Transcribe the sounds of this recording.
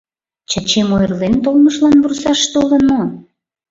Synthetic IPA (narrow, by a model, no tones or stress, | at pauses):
t͡ɕɑt͡ɕemojrlent̪olməʃlɑnβursɑʃt̪olənmo